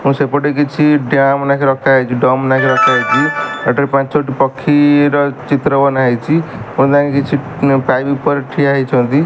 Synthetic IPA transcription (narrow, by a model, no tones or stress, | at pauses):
ɦũsepɔʈek̬it͡ʃʰiɖjamnakʰiɾɔkʰaet͡ʃʰiɖɔmnãkʰiɾɔkʰajt͡ʃʰiəʈəɾipãt͡ʃsoʈipɔkʰːiɾɔt͡ʃit̪ɾəbɔnaet͡ʃʰiũd̪ãkekit͡ʃʰi | pajbipəɾʈʰiaɦet͡ʃʰɔ̃d̪i